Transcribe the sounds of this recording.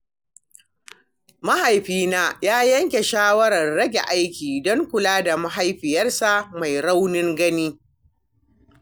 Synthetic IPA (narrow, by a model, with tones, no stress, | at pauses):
ma˦ha˨jɸiː˦naː˦jaː˦jɐ˦ŋkʲe˨ʃaː˦wɐ˦ɾɐ˨rːɐ˦ɡʲḛ˨ʔa˦jkʲiː˨dɔ˦ŋkʷʊ˨laː˦da˨ma˦ɦa˦jɸɪ˨jɐ˦rsa˦˨ʔma˨jɾa˦wnɪ˦ŋɡɐ˦niː˦